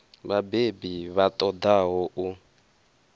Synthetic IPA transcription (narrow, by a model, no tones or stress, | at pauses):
βabebiβat̪ʼɔd̪aɦɔʔu